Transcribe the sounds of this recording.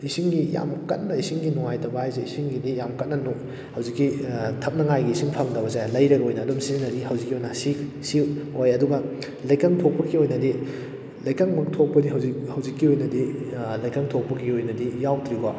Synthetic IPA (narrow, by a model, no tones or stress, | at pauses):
isiŋɡija̰mkɐt̚nɐisiŋɡinɔŋajtʰɐbɐajzeisiŋɡidijamkɐt̚nɐno | hɐwzikːitʰɐp̚nɐŋajɡiːsiŋpʰɐŋdɐbɐzajlɐjɾɐɡɐojnɐːdomsizinɐdihɐwzikːiojnɐsiksiwojɐduɡɐ | lɐjkaŋtʰok̚pɐɡiojnɐdi | lɐjkaŋmɐk̚tʰok̚pɐdiɦɐwzikhɐwzikːiojnɐdilɐjkaŋtʰok̚pɐɡiojnɐdijawtʰɾiɡa